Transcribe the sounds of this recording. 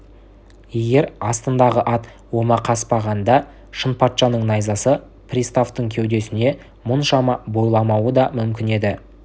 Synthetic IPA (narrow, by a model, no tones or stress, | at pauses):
je̞ɡʲe̞ɾɑst̪ənd̪ɑʁəʔɑt̪ | wo̞mɑqʰɑspɑʁɑnd̪ɑ | ʃənpɑt̪ʃɑnəɴnɑjzɑsə | prʲist̪aft̪əɴkʲʰewd̪e̞sɪne̞ | mʊnʃɑmɑbo̞jlˠɑmɑwəd̪ɑmʏmkʲɪne̞d̪ɪ